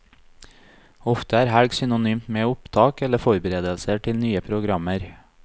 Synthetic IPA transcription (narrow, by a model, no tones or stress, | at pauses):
ɔft̪əæːɾhæɽɡsʏnʊnyːmt̪meːʊpt̪ʰɑːkɛləfɔɾbəɾeːd̪əlsəʈʰɪlnyːəpʰɾʊɡɾɑməɾ